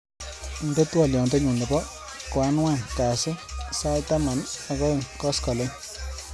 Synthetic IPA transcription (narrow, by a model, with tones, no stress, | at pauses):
nde˦twɔ˨ljɔ˨nte˦ɲu˨nɛ˨bɔ˦ | ka˦nwa˦ŋka˨sɪ˦sa˦ta˦ma˨na˨kɔ˦e˨ŋkɔ˦skɔ˨le˦ŋ